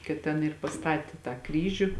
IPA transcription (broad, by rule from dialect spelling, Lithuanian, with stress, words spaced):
kɐt ˈtʲɛn ɪr pɐˈstɑːtʲeː tɑː ˈkrʲiːʒʲʊ